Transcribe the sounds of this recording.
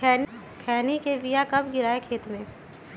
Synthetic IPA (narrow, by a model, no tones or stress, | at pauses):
kʰɛːn | kʰɛːnikeʋijakɐbɡɪɾaːekʰeːt̪mẽː